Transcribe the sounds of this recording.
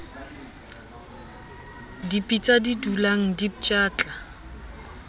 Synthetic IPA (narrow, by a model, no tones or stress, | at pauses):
dipʼit͡sʼadidulaŋ̩dipt͡ʃʼaːt͡ɬʼa